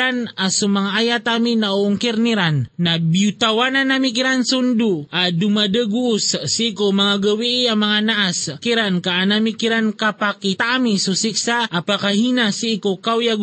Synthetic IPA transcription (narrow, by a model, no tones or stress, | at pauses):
anasumaŋaːjat̪aminauːŋkirniɾanːabiut̪awananamik̬iɾansunduadumadəɡuːssikomaŋaɡəwiiamaŋanaʔaskiɾankaːnamikiɾankapakit̪amisusiksaːpakahinasiːkokawjaɡ